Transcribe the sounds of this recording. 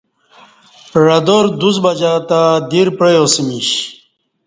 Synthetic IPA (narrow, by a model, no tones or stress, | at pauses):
ɻɐd̪oɾd̪usbɐd͡ʑat̪ad̪iɾpɾejosimiɕ